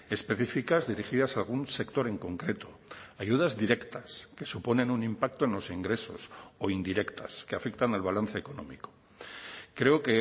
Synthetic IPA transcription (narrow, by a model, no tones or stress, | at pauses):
e̞spe̞θifikazðiɾiχiðasalɣ̞unse̞kt̪o̞ɾe̞ŋko̞ŋkɾe̞t̪o̞ajuð̞azðiɾe̞kt̪aske̞supo̞nẽ̞nunĩmpak̚t̪oenlo̞siŋɡɾe̞so̞so̞ind̪iɾe̞kt̪ʰaskeafekt̪analβalanθe̞ːko̞nõ̞̰miko̥ | kɾe̞oke